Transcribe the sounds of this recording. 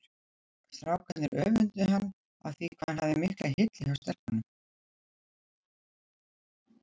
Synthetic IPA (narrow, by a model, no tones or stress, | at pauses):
sθɾaːwkʰɛnɪɾʔœːvʏnt̪ʏhanː | a̰ðθikʰvahanhavðɪmɪhklahɪt̪lɪawst̪ɛr̥k̪anːʏm